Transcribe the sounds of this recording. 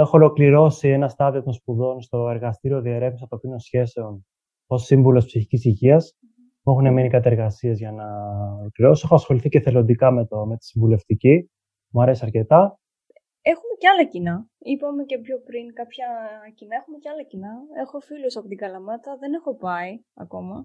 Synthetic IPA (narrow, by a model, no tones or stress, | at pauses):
exo̞olo̞kliɾo̞sie̞nɐst̪ɐðio̞t̪o̞nspuðo̞nst̪o̞e̞ɾɣɐst̪iɾio̞ðieɾe̞vmisɐt̪okinosçe̞se̞o̞n | o̞siɱvulo̞spsiçicisiʝiɐs | puexuneminikɐt̪ɐeɾɣɐsiɐzʝɐnɐolokliɾo̞siexoɐsxo̞liθice̞θe̞lo̞nd̪ikɐmet̪ome̞t̪i̥siɱvule̞ft̪ici | muɐɾe̞siɐɾce̞t̪ɐ | e̞xume̞ceɐlɐcinɐipɐme̞ce̞pçopɾiŋkɐpçɐcinɐexumeceɐlɐcinɐe̞xo̞filosɐpot̪iɡɐlɐmɐt̪ɐðe̞ne̞xo̞pɐi | ɐ̰ko̞mɐ